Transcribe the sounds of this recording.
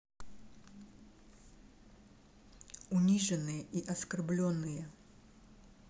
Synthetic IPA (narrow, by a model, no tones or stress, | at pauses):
ʊnʲiʐɨnːɨjəʔiʔɐskɐrblʲonːɨjə